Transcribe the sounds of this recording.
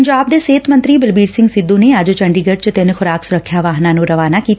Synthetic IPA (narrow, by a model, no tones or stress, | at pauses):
ɲd͡ʒaːb̚d̪eːseːt̪mənt̪ɾiːbɪlbiːɾsɪ̃ŋɡsɪd̪ːũːneːəd͡ʒt͡ʃəɳɖiːɡəɖt͡ʃt̪ɪnxʊɾaːksʊɾəkʰːjaːʋaːɦnãːnũːɾəʋaːnaːkiːt̪